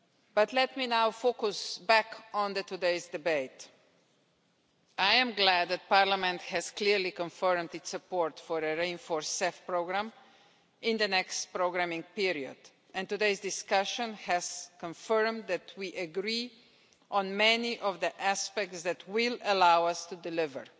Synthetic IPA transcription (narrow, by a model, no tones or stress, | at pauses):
b̥ʌt̪lɛtminawfokusbækɔ̃nd̪ətudeɪzdɪbeɪt | ajɛ̃mɡlæd̪̚ːɛt̪̚paɾlamɛ̃nt̪hɛz̥kliɾlikɔ̃ɱfɜɹmd̪ɪtsɨpɔɹtfɔɾəɹẽɪ̃nfɔɹsːɛfpɹoʊɡɾæ̃m | ɪ̃nd̪ənɛkstpɾoʊɡɾæmɪ̃ŋpiɹiə̰d | ɛ̃ntudeɪzdɪskʌʃə̃nhɛz̥kə̃ɱfɜɹmd̪d̪ðætʰwiʔəɡɾi | ʔɔ̃nmɛniʔɔvðiʔæspɛk̚tsðætʰwɪləlawʌstudɪlɪvə̰˞